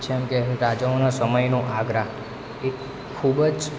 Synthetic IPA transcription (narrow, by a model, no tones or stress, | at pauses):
t͡ʃʰeəmkeɦɾad͡ʒaonasəməjnoʔaɡɾaɦ | ekʰː | ubd͡ʒ